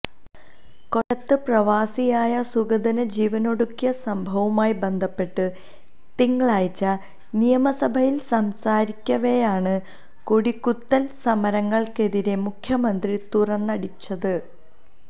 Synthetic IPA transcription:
ko̞ɾɐt̪ːɨprɐʋaːsijaːjɐsuɡɐd̪ɐnɐd͡ʑiːʋɐno̞ɽukːijɐsɐmbʱɐʋumaːjibe̞nd̪ʱɐpːe̞ʈːɨ | t̪iŋːɐɭaːjt͡ɕːɐ | nijɐmɐsɐbʱɐjilsɐmsaːɾikʲːɐʋejaːɳɨ | koɽikːut̪ːɐlsɐmɐɾɐŋːɐɭke̞ðiɾe̞mukʰjɐmɐnd̪rit̪urɐnːɐɽit͡ɕːɐðɨ

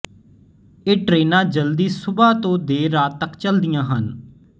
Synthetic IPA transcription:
eːʈɾeːnãːd͡ʒəld̪iːsʊbaːt̪õːd̪eːɾaːt̪ːəkt͡ʃəld̪ɪjãːɦən

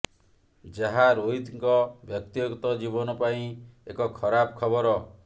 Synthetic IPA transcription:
d͡ʒaɦaɾoɦit̪ŋkɔbjɔk̚t̪ijoɡt̪ɔd͡ʒibɔnɔpaĩekɔkʰɔɾabkʰɔbɔɾɔ

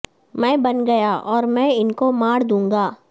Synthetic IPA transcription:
mɛ̃ːbɐnɡɐjaʔɔːɾmɛ̃ɪnkomaːɽd̪ũːŋɡaː

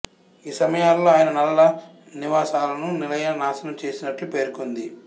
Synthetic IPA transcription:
iːsɐmɐjaːlːoːaːjɐnɐnɐlːɐ | niʋaːsaːlɐnunilɐjɐɐnaːsɐnɐmt͡ʃe̞ːsinɐʈlupe̞ːɾkond̪i

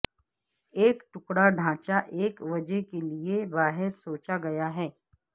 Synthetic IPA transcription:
eːkʈʊkɽaɖʱãːt͡ʃaʔeːkʋɐd͡ʒəkeliebaːɦɪɾsoːt͡ʃaɡɐjaɦɛː

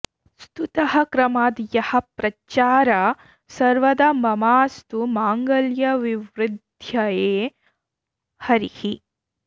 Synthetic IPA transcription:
st̪ut̪ɐhɐkɾɐmaːd̪jɐhɐ̆pɾɐt͡ʃaːɾa | sɐɾʋɐd̪ɐmɐmaːst̪umaːŋɡɐljɐʋiʋɾɪd̪ʱjɐjeː | hɐɾihi

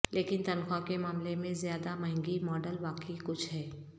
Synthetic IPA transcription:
leːkɪnt̪ɐnxakemaːmlemẽzjaːd̪amɐ̃ɦɪ̃ŋɡimɔːɖəlʋaːkikʊt͡ʃʰɦɛː

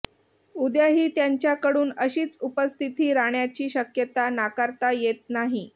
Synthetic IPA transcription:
ud̪jaɦiːt̪jaɲt͡ɕjakəɽuːnəɕiːt͡supəst̪ʰit̪iːɾaɳjat͡ɕiːɕəkjət̪anakaɾt̪ajet̪̚naɦi

